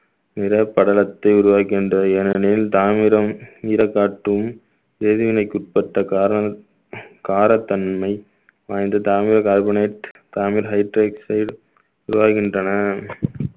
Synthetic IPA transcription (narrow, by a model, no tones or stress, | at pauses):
nɪɾɐpːɐɽɐlɐt̪ːɐɪʊɾʊʋaːɣɪndrɐɛnɐnɪlt̪aːmɪɾɐmiːɾɐkːaːʈːɯɯm | ɾeːðɪʋɪnɐɪkːʊʈ̚pɐʈːɐkːɾ | kaːɾɐt̪ːɐnmɐɪ | ʋaːjnd̪ɐt̪aːmɪɾɐkaːɾbɐneːʈt̪aːmɪɾɦɐɪʈɾeːksɐɪɽ | ʊɾʊʋaːɣɪndrɐnɐ